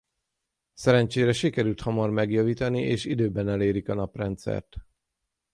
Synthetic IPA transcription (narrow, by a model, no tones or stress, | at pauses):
sɛɾɛnt͡ʃeːɾɛʃikɛɾylt̪hɒmɒrmɛɡjɒviːt̪ɒniʔeːʃid̪øːbɛnɛleːɾikɒnɒprɛnt̪sɛ̰rt̪